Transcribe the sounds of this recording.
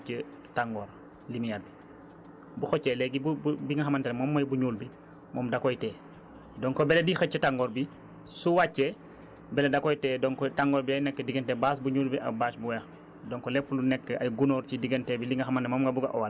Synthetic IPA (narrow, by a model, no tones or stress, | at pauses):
t͡ʃə | taŋɡɔːɾ | limijabi | buxɔcːɛlɛɡibububiŋɡɐxɐmɐntɛlɛmɔːmːɐjbuɲuːlbi | mʔɔːmdakɔjtɛː | dɔŋkɔbɛlediːxɐt͡ʃːətaŋɡɔːɾbi | suwacːɛ | bɛlɛdɐkɔjtɛːdɔŋkɔtaŋɡɔːɾbiɐjnɛkːədiɡentɛbaːsbuɲuːlbiʔɐ̰baːsbuwɛːx | dɔŋkɔlɛpːlunɛkːəɐ̰jɡunɔːɾcidiɡentɛːbiliŋɡɐxɐmɐntɛmɔːmɡɐbuɡɐ̰ʔɔwɐl